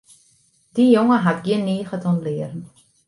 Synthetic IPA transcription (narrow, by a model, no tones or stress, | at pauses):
d̥ijoŋəɦatɡjiɪənːiːχətʰɔnlɪərən̩